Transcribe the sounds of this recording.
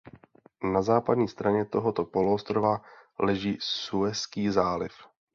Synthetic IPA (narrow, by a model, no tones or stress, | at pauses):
nazaːpad̪ɲiːst̪ɾaɲɛt̪o̞ɦot̪o̞po̞luost̪ɾovalɛʒiːsuɛskiːzaːlɪf